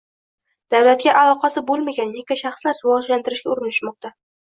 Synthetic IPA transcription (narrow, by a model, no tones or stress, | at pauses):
d̪̥awlat̪̚ɡʲaʔalˠɒqʰɑsɪbolˠmaɡʲanjekʲaʃɑχslaɾːɪvɒd͡ʒlant̪ɪɾɪʃɡʲaʊɾɪnɪʃmɒq̚t̪a